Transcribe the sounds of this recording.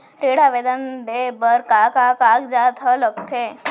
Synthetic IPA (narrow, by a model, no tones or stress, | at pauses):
ɾeɽaʋed̪ənd̪ebəɾkakakaːkd͡ʒaːt̪ʰələɡ̚t̪ʰe